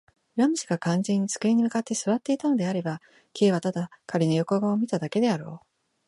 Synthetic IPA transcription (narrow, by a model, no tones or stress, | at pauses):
ɯɾamɯɕi̥ɡakãnzẽ̞ɲ̟ːit͡sɨ̥kɯ̟eɲ̟ːimɯ̟kat̪ːe̞sɨβat̪ːe̞it̪ano̞d̪e̞aɾe̞ba | kʲe̞ːβat̪ad̪akaɾʲinojoko̞ɡaomʲit̪ad̪ake̞d̪e̞aɾo̞̰ː